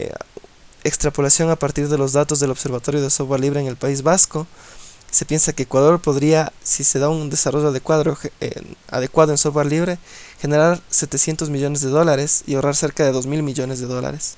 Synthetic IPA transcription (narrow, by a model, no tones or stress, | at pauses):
ekst̪ɾapo̞lasjo̞ŋapaɾt̪iɾðe̞lo̞zðat̪o̞zðe̞lo̞βse̞ɾβat̪o̞ɾjo̞ð̞esofɣwaɾliβɾeːŋe̞lpaizβasko̞se̞pje̞nsakeːkwaðo̞ɾpo̞ðɾiasise̞ðaund̪e̞saro̞ʝoaðekwaðɾo̞xḛa̰ðe̞kwaðoe̞nsovɣwaɾliβɾe̞xe̞ne̞ɾaɾse̞t̪e̞sje̞nt̪o̞zmiʝo̞ne̞zðe̞ðo̞laɾe̞sḭo̞raɾse̞ɾkaðe̞ðo̞zmilmiʝo̞ne̞zðe̞ðo̞la̰ɾes